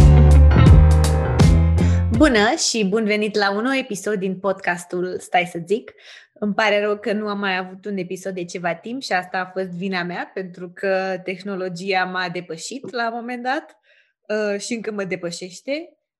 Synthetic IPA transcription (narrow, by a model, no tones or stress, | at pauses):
bunəʃibunve̞nit̪launoe̞piso̞d̪ːinpo̞d̪kast̪ulst̪ajsəzik | ɨmpaɾeɾowkənuamːajavut̪une̞piso̞d̪ːe̞t͡ʃe̞vat̪impʃiast̪aːfo̞st̪vinameape̞nt̪ɾukʰət̪e̞xno̞lo̞d͡ʒiamad̪e̞pəʃit̪lamo̞me̞nd̪at̪ | ʃiɨŋkəməd̪e̞pəʃe̞ʃt̪e̞